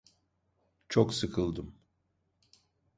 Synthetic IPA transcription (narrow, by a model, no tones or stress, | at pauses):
t͡ʃʰoksɯkʰɯlˠd̪ɯm